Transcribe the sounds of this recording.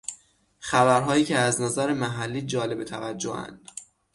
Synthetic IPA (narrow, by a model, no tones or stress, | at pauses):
χæbæɾɦɒːjiːcʰeæznɒzæɾemæɦælːiːd͡ʒɒːle̞bet̪ʰævæd͡ʒːo̰ʔæ̰nd̪̥